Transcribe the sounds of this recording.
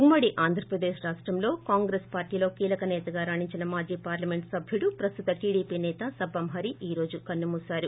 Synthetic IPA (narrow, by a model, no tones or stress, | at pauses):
umːɐɽiʔaːnd̪ʱɾɐpɾɐd̪eːʃɾaːʂʈɾɐmlo̞ːkaːŋɡɾeːspaːɾʈiːlo̞ːkiːlɐkɐnɛːt̪ɐɡaːɾaːɳiɲt͡ʃinɐmaːd͡ʒiːpaːɾlɐme̞ɳʈsɐbʱjuɽupɾɐst̪ut̪ɐʈiːɽiːpiːnɛːt̪ɐsɐbɐmɦɐɾiʔiːɾo̞ːd͡ʒukɐnːumuːsaːɾu